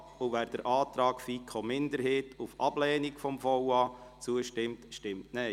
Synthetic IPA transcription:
uvæːɾd̥əɾʔɑːt̪ɾɑːkfiːkʰomɪndəɾɦeːtufɑb̥lɛːnikfɔmfɔwɑt͡suəʃtɪmtʃtɪmtnɛ

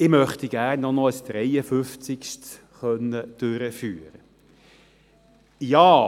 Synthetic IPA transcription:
ɪmœχt̪iɡ̥æːɾnːɔnɔəsd̪̥ɾɛjəfʏft͡sɪkʃt | χœnːəd̥øɾəfyːɾə | jɑː

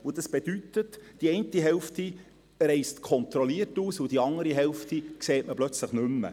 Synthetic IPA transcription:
ʊd̥ɑsb̥ed̥yt̪ətd̥iɛɪntiɦɛlfti | ɾɛɪstkʰɔnt̪ɾɔliətuːsʊd̥iɑŋəɾiɦɛlftikseːtməblœt͡sləχnʏmːə̰

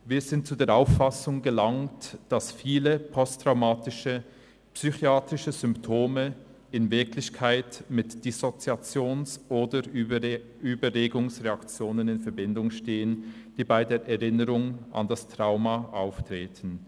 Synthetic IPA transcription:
viːɐzɪnt̚t͡sudeːɐʔaʊfasʊŋɡəlaŋtd̥asfiːləpʰɔstʁ̥aʊmaːtɪʃə | psyxjaːtʁɪʃəzʏmptʰoːmə | ɪnvɪklɪçkʰaɪtmɪtd̥isot͡siat͡sjoːnsʔoːdə | yːbəʁeːɡʊŋsʁeakt͡sjoːnənɪnfɛɐbɪndʊŋʃteːənd̥iːbaɪdeːɐʔɛʁɪnəʁʊŋʔa̰ndastʁ̥aʊmaʔaʊftʁ̥eːtʰn̩

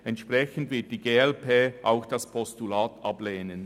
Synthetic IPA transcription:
ɛntʃpʁɛçən̩dvɪɐt̚d̥iːɡeːɛlpʰeːʔaʊxd̥ɑspʰɔstulaːtʔɑbleːnən

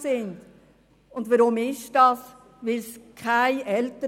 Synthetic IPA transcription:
sɪnd | ʊndvaɾʊmɪʃd̥ɑs | ʋɪlskʰaɪʔɛltə

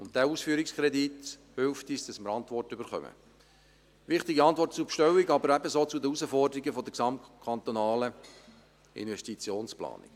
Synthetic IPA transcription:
ʊnt̚dæːusfyːɾikskɾɛdithʏlftisd̥ɑsməɾɑntʋɔrtʏbəɾχœ̰mə̰ | ʋɪχt̪iɡiɑnt̪ʋɔrt̚t͡supʃtœwiɡɑbəɾæbəsoːt͡sud̪əusəfɔrdəɾiɡəfɔd̪əksɑmtkʰɑnt̪onɑːlə | ɪ̰nvɛstit͡sjoːnsplɑ̰ːnɪ̰k

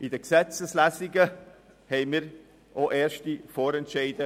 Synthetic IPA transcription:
ʔɪdəksɛt͡səslæsɪɡə | hɛɪmiːɾ | ʔoʔeːɾʃtifoːɾɛntʃɛɪdə

